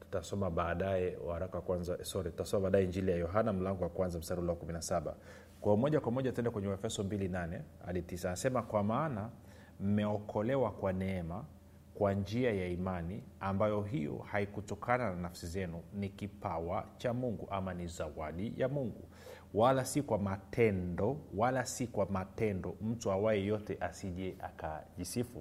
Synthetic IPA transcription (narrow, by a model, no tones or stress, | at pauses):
tu̥tasɔmaɓaːɗaɛṵhaɾakawakwanzasɔɾitutasɔmaɓaːɗaɛind͡ʒilijajɔɦanam̩laŋɡɔwakwanzam̩saɾulɛɔkuminasaɓa̰ | kwaɔmɔʄakwamɔʄatuɛndɛkwɛɲɛuɛfɛsɔmbilinanɛ | a̰ɗitisanasɛmakwamaːna | m̩mɛɔkʰɔlɛwakwanɛɛma | kwand͡ʒiajaimaniambajɔɦijɔ̰haikutɔkʰanananafsizɛnunikipawat͡ʃamuŋɡuʔamanizawaɗijamuŋɡu | walasikwamatʰɛndɔwalasikwamatɛndɔm̩tuawaɛjɔtɛʔasiʄɛʔa̰kaʄisifu